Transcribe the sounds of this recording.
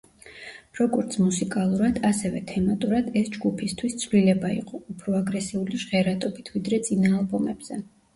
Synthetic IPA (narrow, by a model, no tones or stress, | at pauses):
ɾɔɡɔɾt̪sʰmusikʼalˠuɾad̪asɛvɛt̪ʰɛmat̪ʼuɾad̪ɛsd͡ʒɡupʰist̪ʰwist̪sʰvlilɛbaḭqʼɔupʰɾɔaɡɾɛsiuliʒʁɛɾat̪ʼɔbit̪ʰvid̪ɾɛt̪sʼinaːlˠbɔmɛb̥z̥ɛ